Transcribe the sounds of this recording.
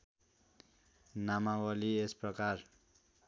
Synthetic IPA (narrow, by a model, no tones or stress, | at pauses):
namawʌliesprʌkar